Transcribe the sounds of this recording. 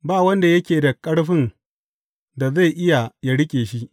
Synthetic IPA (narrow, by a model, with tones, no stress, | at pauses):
baː˦˨wɐ˦nda˨jɐ˦kʲeː˨da˨kʼɐ˦ɽɸɪ˦n | da˨za˦˨jʔɪ˦ja˨ja˦ɽɪ˦kʲʼeː˨ʃi˦ʔ